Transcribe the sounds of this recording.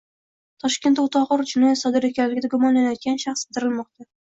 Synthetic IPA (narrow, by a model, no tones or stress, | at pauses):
t̪ʰɒʃkʲe̞nt̪ːʊt̪ʰɒʁɨɾd͡ʒʊnɒjat̪sɒd̪ɪɾekʲʰanlɪɡʲɪd̪aɡʊmɒnlanajɒt̪̚ɡʲanʃaχst̪ʰɪɾɪlmɒqt̪a